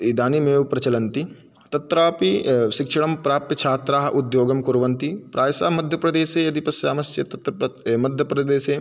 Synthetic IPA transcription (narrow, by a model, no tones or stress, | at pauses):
id̪aːnimeːʋpɾɐt͡ʃɐlɐnt̪i | t̪ɐt̪ɾaːpiʃikʂɐɽɐmpɾaːpɐt͡ʃʰaːt̪ɾaːɦɐʔud̪joːɡɐmkuɾʋɐnt̪ipɾʔaːjɐsaːmɐd̪ʱjɐpɾɐd̪eːseːɐd̪ipɐsjaːmɐsjɐt̪ɐt̪ɾɐmɐd̪ʱjɐpɾɐd̪eːseː